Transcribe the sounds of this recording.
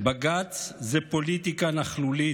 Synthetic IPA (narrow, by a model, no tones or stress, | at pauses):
baɡat͡szɛpolit̪ikanaχluli